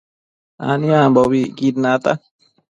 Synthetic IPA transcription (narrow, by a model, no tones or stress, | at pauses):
a̰niambobiɡid̪nat̪a